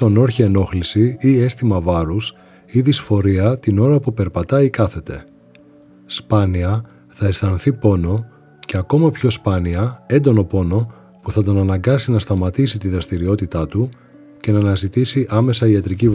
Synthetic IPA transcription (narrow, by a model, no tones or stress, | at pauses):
t̪o̞no̞ɾçie̞no̞xlisiie̞st̪imɐvɐɾus | iðisfo̞ɾiɐt̪ino̞ɾɐpupe̞ɾpɐt̪ɐikɐθe̞t̪e̞̰ | spɐniɐ | θɐe̞sθɐnθipo̞no̞ | ceɐko̞mɐpço̞spɐniɐe̞nd̪o̞no̞po̞no̞ | puθɐt̪o̞nɐnɐŋɡɐsinɐst̪ɐmɐt̪isit̪iðɾɐst̪iɾio̞t̪it̪ɐt̪u | ce̞nɐːnɐzit̪isiʔɐme̞sɐiɐt̪ɾiciv